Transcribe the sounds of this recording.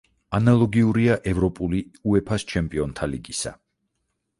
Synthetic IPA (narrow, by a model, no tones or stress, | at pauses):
analˠɔɡiuɾiaʔɛvɾɔpʼuliuɛpʰast͡ʃʰɛmpʼiɔnt̪ʰaliɡisa̰